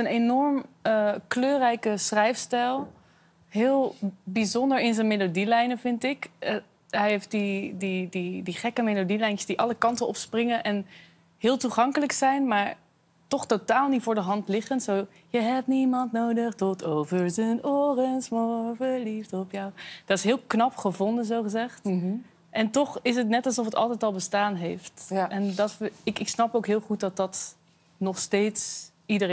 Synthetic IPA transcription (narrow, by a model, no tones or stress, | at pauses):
ənejnɔɹməkløːrɛjkəsrɛjfstɛlˠ | ɦɪːlˠbizɔndəɹɪnzənmelodilɛjnəvɪntɪk | ɦɛjɦeft̚didididiχɛkəmelodilɛjnəsdiʔɑləkɑntənɔpsprɪŋənʔɛn | ɦɪːlˠtuχɑŋkələksɛjnmaːɹ | tɔχtotaːlˠnitfʊːɹdəɦɑntlɪχəntsow | jəɦɛp̚tnimɑntnowdəχtɔtʰowvəɹzənʊːrənsmɔvəlifdɔpjawd̥ɑtɪsɦɪːlˠknɑpχəvɔndənzowχəzɛχt | ʔɛntɔχɪs̬ətnɛtɑlˠsɔfətɑ̰lˠtɛjtɑlˠbəstaːnɦejftʔɛndɑtɪkɪksnɑpowkɦɪːlˠχut̚dɑt̚dɑt | nɔχstejts | idər